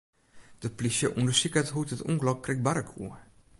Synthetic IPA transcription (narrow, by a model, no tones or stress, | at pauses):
d̥əplisjəʔundəsikətɦutətṵŋklɔkʰːrɪk̚baɾəkʰṵə